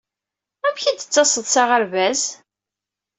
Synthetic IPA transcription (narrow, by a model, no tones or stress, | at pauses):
æmçæd̪ə̥t͡sːɑsˤəðˤsaʁəɾvæz